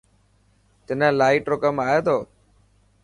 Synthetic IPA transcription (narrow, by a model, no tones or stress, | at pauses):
t̪ɪnãlaːiʈɾoːkəmaːjeːt̪ʰoː